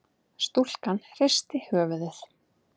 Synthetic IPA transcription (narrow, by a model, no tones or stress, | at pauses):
st̪ul̥kanrejst̪ɪhœːvʏðɪθ